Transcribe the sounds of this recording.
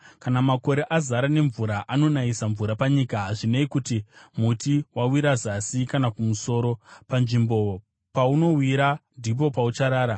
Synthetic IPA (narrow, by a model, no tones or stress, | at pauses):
kanamako̞ɾe̞ʔazaɾane̞ɱvuɾaʔano̞naisaɱvuɾapaɲikaɦaʐineikutimutiwawiɾazasikanakumuso̞ɾo̞panʐimbo̞ | pauno̞wiɾandʱip̬o̞paut͡ʃaɾaːɾa